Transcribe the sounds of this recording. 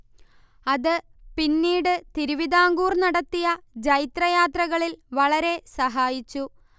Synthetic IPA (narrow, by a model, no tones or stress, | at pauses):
ɐðɨpinːiːɽɨt̪iɾuʋiðaːŋɡuːrnɐɽɐt̪ːijɐd͡ʑɐjt̪rɐjaːt̪rɐɣɐɭilʋɐɭɐɾe̞sɐɦaːjit͡ɕːu